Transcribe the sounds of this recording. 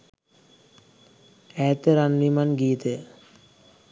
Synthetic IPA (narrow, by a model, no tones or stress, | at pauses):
ɛːt̪əɾanlimanɡiːt̪ə